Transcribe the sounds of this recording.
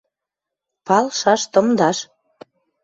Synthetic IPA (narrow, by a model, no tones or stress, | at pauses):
pɑlʃɑʃt̪ɤ̆md̪ɑʃ